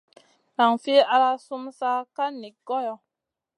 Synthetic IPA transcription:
ɾa˨ŋfi˦a˧ɾa˦su˦msa˦ka˦ni˨kɡɔ˦jɔ˨

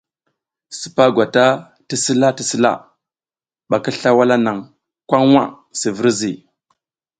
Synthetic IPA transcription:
si̥˨pa˦ɡʷa˨ta˦ | ti˦si˦la˦ti˦si˦la̰˦˨ | ɓa˨ki˦ɬa˦wa˦la˦na˨ŋ | kʷa˦ŋwa̰˦ | si˨və˦ɾzi˨

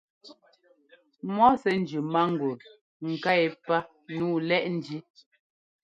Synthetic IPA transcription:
mɔ˦sɛ˦n̩˦d͡ʒʉ˨ma˦ŋ̩˨ɡu˨ɾ | ŋ̩˨ka˦ɛ˨pa˦ | nuː˦˨lɛ˦ʔn̩˨˦di˦

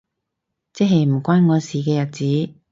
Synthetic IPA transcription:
t͡sɛː˥ɦɐ˨jm̩˨˩kʷaː˥nŋɔː˨˧siː˨kɛː˧jɐ˨t̚t͡siː˨˥

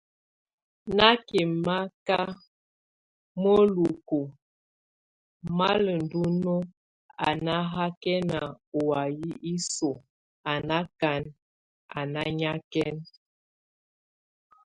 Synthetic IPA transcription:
na˦ke˨ma˦ka˦ | mo˦lu˨ko˨ | ma˦lə˨n̩˨du˦no˦ | a˨na˦ɦa˦kɛ˦na˨ | o˨a˨ji˦ʔi˦so˨ | a˨na˦ka˨n | a̰˨na˦ɲa˦kɛ˦n

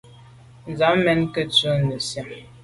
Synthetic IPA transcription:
n̩˨za˨˦mmɛ˦nkə˦t͡sə˦nə˨sja˨m

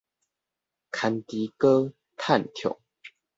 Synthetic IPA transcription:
kʰa˨˦nt̪i˨˦kə˦ | t̪ʰa˥˨nt̪ʰjo̰˨˦ŋ

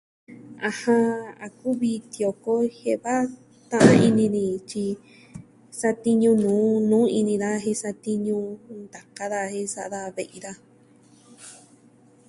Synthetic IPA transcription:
a˨˧hã˧a˨ku˦βi˧t̪jo˨ko˦he˧βa˦ | t̪ã˦˧ʔã˦i˧nĩ˧nĩ˧t͡ʃi˧ | sa˧t̪i˧ɲũ˧nũː˨˦nũː˨˦i˧nĩ˧ða˦ɦe˧sa˧t̪i˧ɲũ˧nd̪a˨ka˧ða˧he˧sa˧ʔða˧βe˧ʔi˧ða˦

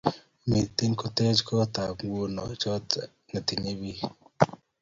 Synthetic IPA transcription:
mi˨ti˦ŋko˦te˦d͡ʒkɔ˦ta˨ŋ˦ɡo˦nɔ̰˨t͡ʃɔ˦t | na˨ti˨ɲe˦bi˦

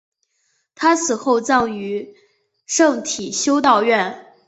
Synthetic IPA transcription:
t̪ʰa˥t͡sʰɹ̩˨˩xo˥˧ʊt͡sɑ˥˩ŋy˧˥ | ʂɤ˥˩ŋt̪ʰi˨˩ɕjo˥ʊt̪ɑ˥˧ʊɥɛ˥˩n

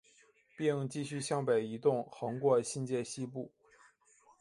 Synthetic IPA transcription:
pi˥˧ŋt͡ɕi˥˧ɕy˥˧ɕjɑ˥ŋpe˨˩ɪi˧˥t̪ʊ˥˩ŋxɤ˧˥ŋkwɔ˥˧ɕi˥˧nt͡ɕjɛ˥˩ɕi˥pu˥˩

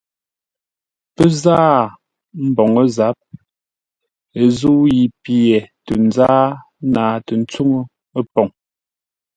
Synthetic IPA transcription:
pə˦zaː˦ | m̩˦bɔ˨ŋə˦za˨˦p̚ | e˨zu˦ji˨pjɛ˨tə˨n˦d͡zaː˦ | naː˨tə˨n̩˦t͡su˦ŋə˦ | ə˦pɔ˨ŋ

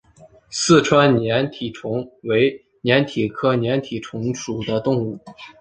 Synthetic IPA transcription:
sɹ̩˥˩ʈ͡ʂʰwa˥nnjɛ˧˥nt̪ʰi˨˩ʈ͡ʂʰʊ˧˥ŋwe˧˥ɪ | njɛ˧˥nt̪ʰi˨˩kʰɤ˥njɛ˧˥nt̪ʰi˨˩ʈ͡ʂʰʊ˧˥ŋʂu˨˩d̪ə˦t̪ʊ˥˧ŋu˥˩

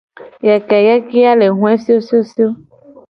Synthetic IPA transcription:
jɛ˨kɛ˨jɛ˦ki˦a˦le˨ɦũ˦ɛ˦si˦o˦si˦o˦si˦o˦

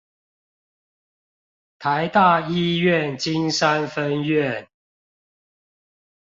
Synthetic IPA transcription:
t̪ʰa˨˦ɪt̪a˥˨i˥˧ɥɛ˥˨nt͡ɕi˦ŋsa˦nfə˦nɥɛ˥˨n

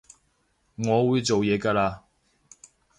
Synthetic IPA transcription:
ŋɔ˨˦wu˧˦t͡so˨wjɛ˨˧˦ka˧la˧

